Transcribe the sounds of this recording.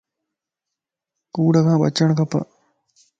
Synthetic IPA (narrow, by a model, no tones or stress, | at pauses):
kuːɽɐɡãːbɐ̰t͡ʃːɐɳkɐpːɐ̰